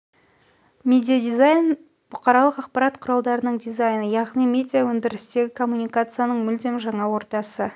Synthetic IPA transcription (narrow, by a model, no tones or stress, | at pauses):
mʲe̞d̪ʲijad̪izajn | b̥ʊqɑɾɑlˠəqɑqpɑɾɑt̪qʰʊɾɑlˠd̪ɑɾənəɴd̪ijzajnəjɑʁnijmʲe̞d̪ʲijawɵnd̪ɪɾɪst̪e̞ɡʲɪkʰo̞mːunijkat̪sɨjanəɴmʏld̪e̞mʒɑɴɑwo̞ɾt̪ɑsə